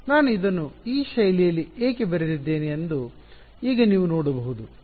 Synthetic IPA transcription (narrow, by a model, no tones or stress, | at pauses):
naːnuid̪ɐnːuiːʃɐjlijɐlːieːkebɐɾed̪id̪ːe̞ːniend̪u | iːɡɐniːʋunoːɽɐbɐɦud̪u